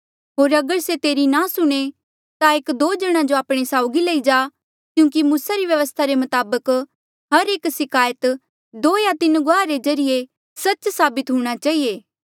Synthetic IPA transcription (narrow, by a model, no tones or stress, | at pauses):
ɦoːɾɐɡəɾset̪eːɾinasʊɽ̃e | t̪aeːkd̪oːd͡ʒɐɽ̃ãd͡ʒoaːpɽ̃esaːʊɡilɐid͡ʒa | kjũːk̬imũːsaɾiʋjɐʋəst̪ʰaɾemɐt̪aːbək | ɦɐɾeːksɪkaːjət̪ | d̪oːjat̪ɪnɡaːɾed͡ʒɐɾɪje | sɐt͡ʃsaːbɪt̪ɦũːɽ̃at͡ʃaːɦieː